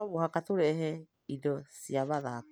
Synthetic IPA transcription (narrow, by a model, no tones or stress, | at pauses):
oβohakat̪uɾeʔɦe | idosiaβaða